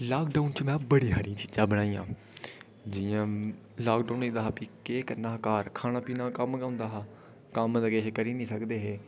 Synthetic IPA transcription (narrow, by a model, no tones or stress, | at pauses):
laːkɖaːʊnt͡ʃmɛ̃ːbəɽiːɦaːɾĩt͡ʃiːd͡ʒãːbəɽaːiːjã̰ː | d͡ʒiãː | laːkɖaːʊniːd̪aːɦaːpiːkeːkəɾnaːkaːɾkʰaːnãːpiːnãːkəmkːʊ̃nd̪aːɦː | kəmləɡeːʃkəɾiːnĩːsəkd̪eːɦeː